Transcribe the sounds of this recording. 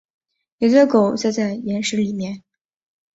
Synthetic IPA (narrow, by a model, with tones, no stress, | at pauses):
je˨˧˩t̪ɛ˥ko˨˩˦ʊt͡sa˥˧ɪt͡sa˥˩ɪjɛ˧˥nʂɻ̩˧˥li˨˩mjɛ˥˩n